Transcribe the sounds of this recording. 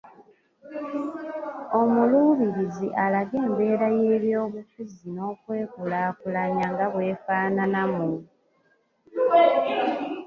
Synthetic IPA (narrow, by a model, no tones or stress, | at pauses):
o̞muluːβiɾiziʔalaɡe̞ːmbe̞ːɾaje̞ːβjoːβufuzino̞ːkwe̞ːkulaːkulaɲaŋɡaβwe̞ːfaːnanamu